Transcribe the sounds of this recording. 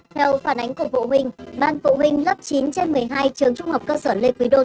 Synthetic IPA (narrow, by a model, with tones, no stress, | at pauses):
t̪ʰɛ˧wfaː˧˩nʔa˨˦jŋ̟ku˧˩əvṵ˧˨ɦï˨˩ŋ̟ɓaː˧nfṵ˧˨hï˨˩ŋ̟lə˦˥p̚t͡ɕi˨˦nt͡ɕe˧nmɨ˨˩əjɦaː˧jt͡ɕɨ˨˩əŋt͡ɕʊ˧ŋ͡mha˨˩wk͡p̚kəː˧səː˧˩le˧nkwi˨˦ɗo˧˩t̚